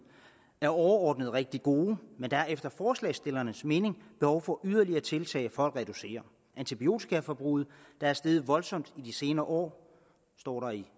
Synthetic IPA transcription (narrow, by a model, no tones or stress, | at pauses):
æɐɒʊɐɒːd̥nəð̞ˠʁeɡ̥̚d̥iɡ̥o̝ːmend̥ææɐefd̥ɐfɒːslɛ̰ːɪsd̥e̝lɐnəsme̝ːne̝ŋb̥e̝hɒʊfɒ̽ʔyð̞ˠɐliɐt͡sʰe̝lt͡sʰɛ̰ːɪfɒ̽l̰ɡ̥ʁɛd̥use̝̰ːɐ | ʔænt͡sʰib̥io̝̰ːt͡sʰi̥kʰæfɒb̥ʁuð̩ˠ | d̥ɑ̈æɐsd̥eːð̞̩ˠʋɒ̽lsɒ̽m̰d̥id̥ise̝ːnɐːʔɒ̰ː | sd̥ɒ̰ːɾɑ̈i